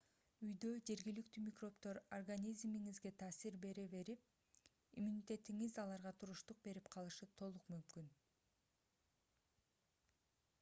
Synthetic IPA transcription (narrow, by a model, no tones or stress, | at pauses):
yjd̪ø̞d͡ʒe̞ɾɡilik̚t̪ymʲikro̞pt̪o̞ɾorɡanʲizmiŋizɡe̞t̪ʰaːsiɾbe̞ɾeβe̞ɾip̚ | ḭmunʲit̪ʲe̞t̪iŋizɑlˠɑɾʁɑt̪ʰuɾuʃt̪uq̚be̞ɾipqʰɑlˠɯʃɯt̪ʰo̞lˠuqmymkyn